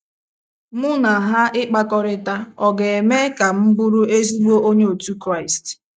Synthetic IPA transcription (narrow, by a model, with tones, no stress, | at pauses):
mʊ˦na˨ɦa˦ʔɪ˦k͡pa˦kɔ˦ɾɪ˨ta˦ɔ˨ɡe˨e˨me˦ka˨m̩˦bʊ˦ɾu˦e˦zi˦ɡ͡bo˦o˦ɲe˦o˨tu˦kɾa˦˨ɪ˨st